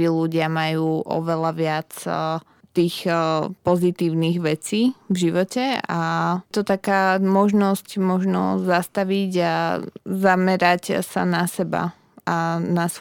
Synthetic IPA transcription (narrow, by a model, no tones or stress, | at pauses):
iluɟɪamajuːʔɔ̰ʋɛlaʋɪat͡s | t̪iːxpɔzit̪iːʊniɣʋɛt͡siːvʒiʋɔcɛat̪ɔt̪akaːmɔʒnɔscmɔʒnɔzast̪aʋiɟazamɛɾacsa̰nasɛba̰ | anas